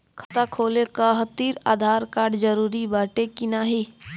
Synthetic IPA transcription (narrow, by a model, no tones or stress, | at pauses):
kʰɐt̪akʰoːlekaɦət̪iːɾa̰ːd̪ʱaːɾkaːɾɖd͡ʒəɾuːɾibaːʈekinaːɦi